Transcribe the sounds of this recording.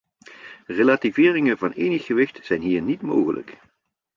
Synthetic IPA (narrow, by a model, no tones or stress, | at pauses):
relaːtivɪːrɪŋənvɑnejnəχːəʋɪxtz̥ɛjnɦiːɹnitmo̰wχələ̰k